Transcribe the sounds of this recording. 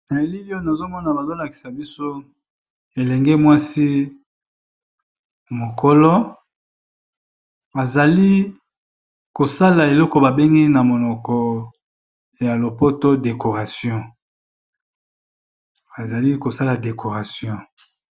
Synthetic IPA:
na˨li˦li˦o˦na˨zo˦mɔ˦na˨ba˨zo˦la˨ki̥˨sa˨bi˦so˦ | e˨lɛ˨ŋɡɛ˦mwa˦si˦ | mo˨kʰo˦lɔ˦ | a˨za˨li˦ | ko˨sa˦la˨e˨lɔ˦kɔ˨ba˨be˦ŋɡi˦na˨mo˨nɔ˨kɔ˨ | ja˨lo˨po˦to˦de˨ko˨ʁa˨sjɔ̃˦ | a˨za˨li˦ko˨sa˦la˨de˨kʰo˨ʁa˨sjɔ̃˦

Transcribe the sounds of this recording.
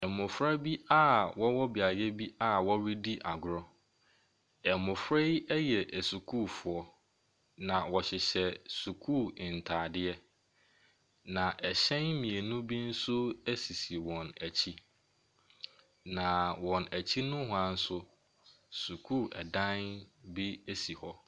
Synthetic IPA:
ɛ˨mʊ̃˨fɾa˦bi˦a˦wɔ˦wɔ˦bɪ˨a˨jɛ˦bi˦a˦wɔ˦wi˦di˦ʔa˨ɡʊ˨ɾɔ˦ | ɛ˨mʊ̃˨fɾɛ˦jɛ˦jɛ˨ʔæ˨su˨kʰuː˦˨fʊ˨ɔ˦ | nã˨wɔ˨ɕɪ˨ɕɛ˨su˨kʰuː˦˨ɪ˨n̩˨tʰaː˨dɪ˦ɛ˦ | nã˨ʔɛ˨ɕɛ̃˦nmĩ˨e˨nũ˦bi˦n̩˦sʊ˦æ˦si˨si˨wɔ̃˨næ˨t͡ɕʰi˦ | nã˨wɔ̃˨næ˨t͡ɕʰi˦nʊ̃˦ɦʊ˦ã˨˦n̩˦sʊ˦ | su˨kʰuː˦˨ʔɛ˨dã˦nbi˦e˦si˨hɔ˦

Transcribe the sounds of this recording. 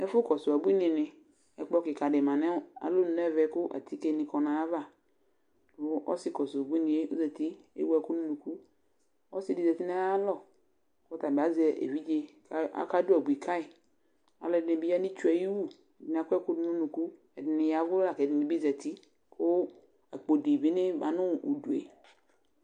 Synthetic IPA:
ɛ˦fʊ˦kɔ˨sʊ˨a˨bu˦i˦nɪ̃˨nɪ˨ | ɛ˨k͡pɔ˦kɪ˨ka˨ɖɪ˨mã˨nɛ̃˦a̰˨lo˦nʊ̃˨n˦ɛ˦˨vɛ˨˦kʊ˦ʔa̰˨tʰi˦ke˦nɪ̃˨kɔ˨nã˨a˦va˦˨ | ʊ˦ʔɔ̰˦sɪ˦kɔ˨sʊ˨bu˦i˦nĩ˨e˦o̰˦zɛ˨ti˦ḛ˦wu˦a˨ku˦nũ˦nũ˨ku˦ | ɔ˦sɪ˦˨dɪ˨zɛ˨ti˦na˦a˦lɔ˨ | ɔ˦ta˨ba˨zɛ˨ʔḛ˨vi˦d͡ʒe˦ka̰˨˦ka˦dʊ˦a˨bu˨i˨kʰa˦ɪ˨ | a̰˨lɔ˨dɪ˨˦ɪ˨bi˦ja˦nĩ˦t͡ʃu˦a˨ji˦wu˦ | ɛ˨dɪ˨n˨a˨kʷɛ˦kʊ˦dʊ˦nʊ̃˦nũ˨ku˦ | ɛ˨dɪ˨nɪ̃˨ja˨vʊ˦la˨kɛ˨dɪ˨nɪ̃˨bi˦zɛ˨ti˦ | kʰʊ˦ | a˨k͡po˨di˨bi˦nɪ̃˦ba˨nʊ̃˦˨ṵ˨du˨ḛ˨

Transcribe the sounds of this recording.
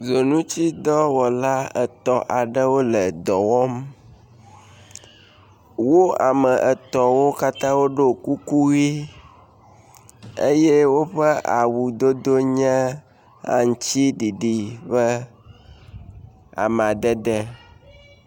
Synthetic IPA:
zo˨nũ˦t͡ɕi˦d̪ɔ˦wɔ˨la˦ə˨t̪ɔ˨ʔa˨ɖə˦wo˦lə˨d̪ɔ˨wɔ˦m | wo˦a˨mə˨ʔə˨t̪ɔ˨wo˦ka˦t̪ã˦wo˦ɖo˦˨ku˦ku˦ɣi˦ | e˦jɛ˦wo˦ɸə˦a˨wu˨d̪o˦d̪o˦ɲɛ̃˦ | a̰˦ŋ˨t͡ɕi˦ɖi˨ɖi˨bə˦ | a̰˨m˨a˨d̪ɛ˦d̪ə˦

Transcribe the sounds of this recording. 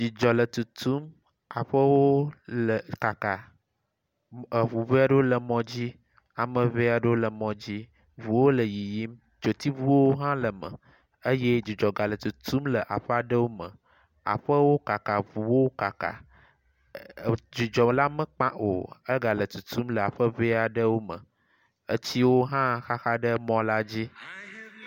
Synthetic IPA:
d͡ʒi˨d͡ʒɔ˨lə˨t̪u˨t̪u˦m | a˨ɸə˦wo˦lə˨ka˨ka˨ | ə˨βu˨ve˦a˦ɖə˦wo˦lə˨mɔ̃˨d͡ʑi˦ | a˨mə̃˨ve˦a˨ɖə˦wo˦lə˨mɔ̃˨d͡ʑi˦ | vu˨wo˦lə˨ji˨ji˦m | d͡ʒo˨t̪i˦vu˦wo˦ɦã˦lə˨mə̰̃˨ | ə˦je˦d͡ʒu˨d͡ʒɔ˨ɡa˨lə˨t̪u˨t̪ʰu˦mlə˨ʔa̰˨ɸə˦a˨ɖə˦wo˦mə̰̃˨ | a̰˨ɸə˦wo˦ka˨ka˨vu˨wo˦ka˨ka̰˨ | d͡ʒu˨d͡ʒɔ˨la˦mə̃˨k͡pã˦ʔo̰˨ə˦ɡa˨lə˨t̪u˨t̪ʰu˦mlə˨a˨ɸə˦ve˦a˨ɖə˦wo˦mə̰̃˨ | ə˦t͡ɕi˦wo˦ɦã˦xa˦xa˦ɖə˦mɔ̃˦la˦d͡ʑi˦

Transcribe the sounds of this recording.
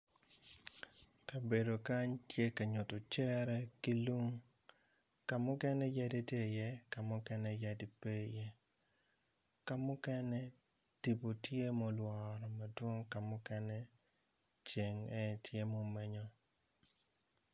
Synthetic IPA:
ka˨be˨do˨ka˦ɲtje˦ka˨ɲo˨to˨t͡ʃɛ˦ɾɛ˦ki˦lu˦ŋ | ka˨mʊ˦kɛ˦nɛ˦ja˦di˦te˦˨jɛ˦ka˨mʊ˦kɛ˦nɛ˦ja˦di˨pe˦jɛ˦ | ka˨mʊ˦kɛ˦nɛ˦ | ti˨po˨tje˦mɔ˦lwɔ˨ɾɔ˨ma˨dwo˦ŋka˨mʊ˦kɛ˦nɛ˦ | t͡ʃe˨ŋɛ˦tje˦mo˦mɛ˦ɲɔ˦

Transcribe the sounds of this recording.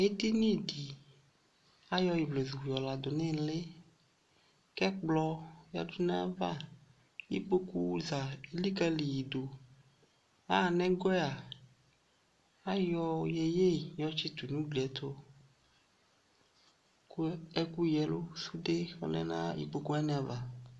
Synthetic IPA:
e˦d̪i˦nĩ˦˨di˨ | a˦jɔ˦ji˨ble˨zu˨wu˨jɔ˨la˨d̪o˨ne˦˨le˦ | kɛ˦k͡plɔ˦ja̰˨du˦nã˦va̰˦ | jḭ˦k͡po˦ku˦za˨˦li˦ka˦li˨ji˨do˨ | a˦˨nɛ̃˦ɡe˦a˨ | a˦jɔ˦je˨je˦jɔ˦t͡ʃi˦t̪u˨nũ˦ɡ͡bi˨ɛ˨t̪ʰo˦ | ku˦e˦ku˦jɛ˨lo˦su˦de˦o̰˨lɛ̰˦nã̰˦jḭ˨k͡po˦ku˦a˦nɛ̃˦˨a˨va˨

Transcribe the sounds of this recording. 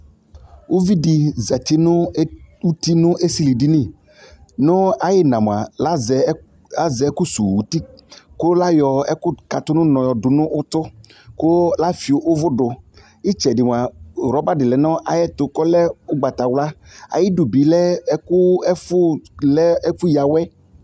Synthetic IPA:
wo˦vi˦di˨zɛ˨t̪i˦nʊ˦u˦t̪i˦nʊ̃˦ʔe˦si˦li˨di˦nĩ˦˨ | nʊ̃˦a˨jɪ˦nã˨mo˨a̰˨la˦z | a˦zɛ˨˦ku˦sṵ˨wu˨t̪i˦kʊ˦la˦jɔ˨ɛ˦kʊ˦ka˨t̪ʊ˦nʊ̃˦nɔ̃˨jɔ˨dʊ˨nʊ̃˦ʔʊ˦t̪ʊ˦ | kʊ˦la˦fi˨o˦ʔʊ˦vʊ˦ɖʊ˨ | i˦t͡ʃɛ˨dɪ˨m˨a˨ɾɔ˦ba˦dɪ˨lɛ˨nɔ̃˦ʔa˨jɛ˦t̪ʊ˨kɔ˦lɛ˦ʊ˦ɡ͡ba˨t̪a˨wla˦a̰˨jɪ˦dʊ˨bi˨lɛ˦ɛ˦kʊ˦ɛ˦fʊ˦lɛ˦ɛ˦fu˦ja˨wɛ˦

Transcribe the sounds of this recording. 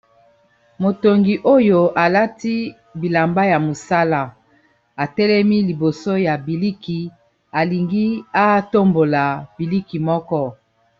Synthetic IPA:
mo˨to˨ŋɡi˨ʔo˦jo˦ʔa˨la˦ti˦ | bi˨la˨mba˦ja˨mo˨sa˦la˨ | a˨tɛ˦lɛ˦mi˦li˨bo˨so˦ja˨bi˨li˦ki˨ | a˨li˨ŋɡi˦a˦to˦mbo˨la˨bi˨li˦ki˨mɔ˦kɔ˦

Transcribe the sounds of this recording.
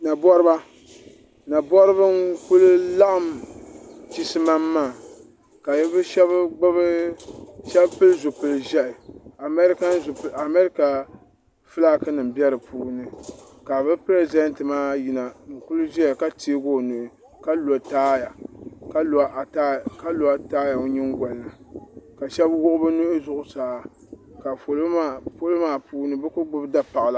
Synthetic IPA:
na˨bɔ˦ɾɨ˦ba˦ | na˨bɔ˦ɾɨ˦bɨ˦ŋku˦lʊ˦la˦ʔa˨m | t͡ʃi˦sɨ˦ma˦mːaː˦˨ | ka˨jɛ˦bɨ˦ʃɛ˦bɡ͡ba˦b | ʃɛ˦bpɨ˦lɨ˦zo˨pɨ˨lɨ˨ʒɛ˦ʔɪ˨a˨mɛ˦ɾka˦n˦za˨mɛ˦ɾi˦ka˨ | fɨ˦la˦kɨ˦nɨ˨m˨bɛ˦ɾɨ˨pʰuː˦nɨ˨ | ka˨bɨ˦pɾe˦zɛ˦ntɨ˨maː˦ji˨na˨n̩˨kʊ˦lʊ˦ʒɛ˦ja˨ka˦teː˦ɡo˦˨nʊ˨ʔɪ˨ | ka˦lo˨taː˦ja˨ka˦˨˦ʔta˦ka˦lo˨a˦taː˦ja˨o˦ɲɪ˦ŋɡʷɔ˨lːa˨ka˨ʃɛ˦bwʊ˦ʔʊ˦bɨ˦nu˦ʔɪ˦zʊ˦ʔʊ˦saː˨˦ | ka˨fo˨lo˦ma˦˨fo˦lo˦maː˦puː˦nɨ˦bɨ˦kʊ˦ɡ͡bɨ˦bda˦pa˨ʔa˨la˨

